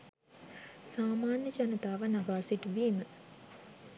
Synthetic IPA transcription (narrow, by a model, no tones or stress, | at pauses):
saːmaːnjət͡ʃanət̪aːʋənaɡaːsiʈʋiːmə